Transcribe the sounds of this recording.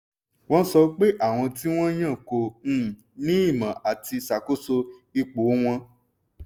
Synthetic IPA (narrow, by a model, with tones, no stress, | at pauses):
w̃ɔ̃˦sɔ˧˦k͡pe˦ʔa˦˨w̃ɔ̃˧ti˦w̃ɔ̃˦j̃ã˦˨kõ˧˨˦ | nĩ˦i˦˨mã˨ʔa˨ti˧sa˨ko˦so˧i˧k͡po˨˦w̃ɔ̃˧